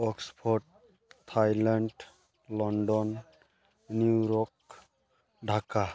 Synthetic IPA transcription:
ɔkspʰɔɾʈ̚ | t̪ʰajlaɳɖ | lɔɳɖɔnː | uɾɔk̚ | ɖʱaka

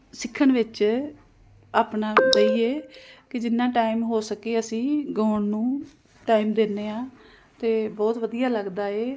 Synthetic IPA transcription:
sɪkʰːəɳʋɪt͡ʃ | aːpɳãːd͡ʒəiːeːkɪd͡ʒɪnːãːʈaːɪmɦoːsəkeːəsĩːɡoːɳnũː | ʈaːimd̪eːnːeːãː | t̪eːbɔːt̪ʋəd̪ijaːləɡd̪aːeː

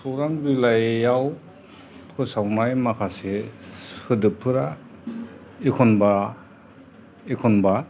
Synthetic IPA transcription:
sɔɾaŋbilajjaw | tʰɔsawnajmakʰase | ɯdɯpʰːɯɾa | ekʰɔnba | ekʰɔnba

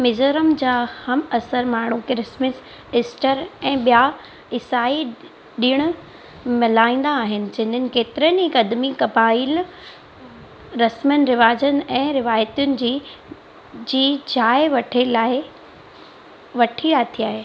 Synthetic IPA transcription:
mɪzəɾəmd͡ʑaːhɐmɐsəɾmaːɳ̤ukɪɾɪsmɪs | ɪsʈəɾɛ̃ːɓija | ɪsaːi | ɗiːɽ̃ʊ̆ | mɪlaːĩːn̆d̪aːɦɪnɪ̆d͡ʑɐ̃ɦɪ̃nənɪ̆keːt̪ɪɾənɪɦɪkɐd̪mikɐbaːil | ɾɐsmənɪɾɪʋaːd͡ʑənɪ̆ɛ̃ːɾɪʋaːjət̪ijʊnɪ̆d͡ʑiː | d͡ʑiːd͡ʑaːɪʋɐʈʰelaːɪ | ʋɐʈʰiːɽat̪ʰiaːɦeː

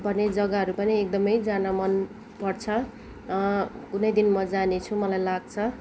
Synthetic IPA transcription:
bʱʌned͡zʌɡaɦʌɾupʌniek̚d̪ʌmʌjd͡zanamʌn | pʌrt͡sʰʌ | kunʌjd̪inmʌd͡zanet͡sʰumʌlajlaɡ̚t͡sʰʌ

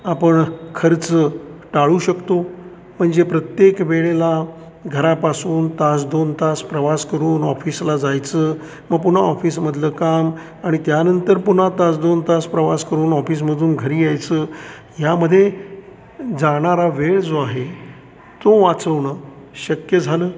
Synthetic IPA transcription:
apəɳkʰəɾt͡səʈaɭuːɕəkt̪o | m̤əɳd͡zepɾət̪jekʋeɭela | ɡʱəɾapasuːnt̪ast͡sd̪ont̪aspɾəʋaskəɾuːnɔfiːslad͡zajt͡səː | məɡ̚puɳ̤aɔfiːsməd̪ʱləkam | aɽ̃it̪janənt̪əɾpuɳ̤at̪at͡sd̪ont̪aspɾəʋaskəɾuːnɔfiːs̬məd̪ʱuːnɡʱəɾiːjajt͡səː | jaməd̪ʱːje | d͡zaɽ̃aɾaʋeɭd͡zoaɦe | t̪oʋat͡səʋɳə | ɕəkjəd͡zʱaləː

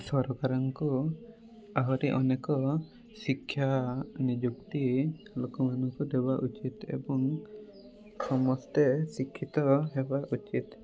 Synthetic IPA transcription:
sɔɾɔɡaɾaŋkɔ | aɦɔɾiʔɔnɛkɔ | sikʰːjanid͡ʒuk̚t̪i | lɔkɔmanukɔd̪ɛbaʔut͡ʃit̪ɛ̰bɔŋ | sɔmɔst̪ɛsikʰːit̪ɔɦɛbaʔut͡ʃit̪

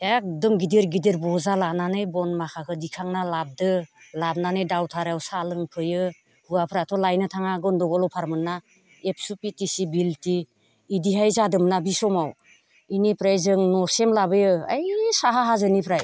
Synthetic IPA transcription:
ak̚dɯmɡidiɾɡidiɾbɔzalananɯjbɔnmakʰakʰɯdikʰaŋnalab̚dɯlab̚nanɯjdawtʰaɾawsalɯŋpʰɯjɯ | huapʰɾatʰɔlajnɯtʰaŋaɡɯndɔɡɔlɔpʰaɾmɯnːa | ep̚ʰsupitisibiltiː | diɦajzadɯmnabisɔmaw | inipʰɾajzɯŋnɔɾsemlabɯjɯa̰jsaɦaɦazɯnipʰɾaj

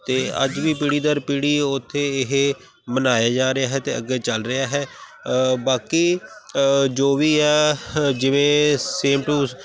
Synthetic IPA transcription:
t̪eːə̰d͡ʒʋiːpiːɽiːd̪aːɾpiːɽiːʊt̪ʰːeːɪɦ | mənaːjaːd͡ʒaːɾɪjaːɦɛːt̪eːə̰ɡɛːt͡ʃəlɾɪaːɦɛː | baːkiː | d͡ʒoːʋiːɛːd͡ʒɪʋẽːseːmʈuːs

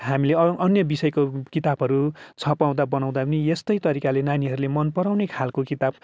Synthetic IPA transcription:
ɦamileʌʌnjʌbisʌjkokit̪abɦʌɾut͡sʰʌpaw̃d̪abʌnaw̃d̪apʌniest̪ʌjt̪ʌɾikalenaniɦʌɾulemʌnpʌɾaw̃nekʰalkokit̪ab

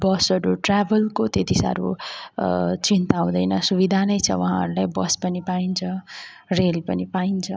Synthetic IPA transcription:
bʌsʌɾuʈrabʱʌlkot̪et̪isa̰ɾṵ | t͡sint̪aw̃d̪ʌjnʌsubid̪ʱanʌjt͡sʰʌ̰waɦãɦʌ̰ɾulajbʌspʌnipaint͡sʰʌrelpʌnipaint͡sʰʌ

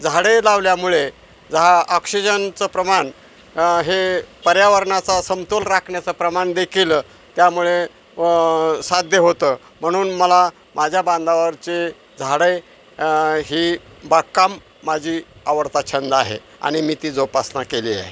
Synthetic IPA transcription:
d͡zʱaɽəjlaʋljamuɭe | d͡zəɦaʔɔksid͡ʑənt͡səpɾəman | ɦepəɾjaʋəɾɳat͡sasəmt̪olɾakʰɳjat͡səpɾəmaɳd̪ekʰiːl | t̪jamuɭe | sad̪ʱjəɦot̪ə | m̤əɽ̃uːnməla | mad͡ʑʱjabãnd̪ʱaʋəɾt͡se | d͡zʱaɽəj | ɦiːbakːamː | ad͡ʑʱiːaʋəɾt̪at͡ɕʰənd̪aɦḛ | a̰ɽ̃imiːt̪iːd͡zopasnakelḭḛɦ

